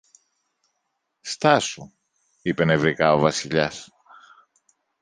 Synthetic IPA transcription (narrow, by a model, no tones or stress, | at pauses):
st̪ɐsu | ipe̞nevɾikɐo̞vɐsiʎɐs